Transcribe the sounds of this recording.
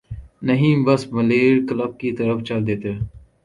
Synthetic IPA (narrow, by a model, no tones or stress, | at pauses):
nəɦĩːbəsməleːɾkləb̚kit̪əɾəft͡ʃɐld̪eːt̪eː